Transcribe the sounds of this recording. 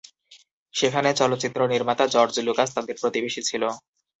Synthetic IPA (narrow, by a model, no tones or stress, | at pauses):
ʃekʰanet͡ɕɔlot̪ːt͡ɕit̪ːɾoniɾmat̪ad͡ʑɔɾd͡ʑlukast̪ad̪eɾpɾot̪ibeʃit͡ɕʰilo